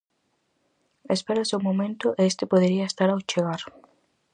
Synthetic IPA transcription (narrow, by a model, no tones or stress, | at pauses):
espeɾasewmomẽnt̪ʊʔeest̪ɪpoðeɾiɐest̪aɾawt͡ʃeɣaɾ